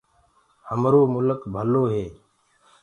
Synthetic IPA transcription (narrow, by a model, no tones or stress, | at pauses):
həmɾoːmʊləkbʱəloːɦeː